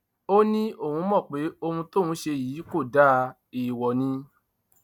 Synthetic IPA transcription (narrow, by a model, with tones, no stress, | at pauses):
o˦nĩ˦o˦˨hũ˧˦mɔ̃˦˨k͡pe˨˦o˧hũ˧to˦˨ũ˨˦ʃe˧jiː˨˦ko˦˨da˦ | i˨wɔ˨nĩ˧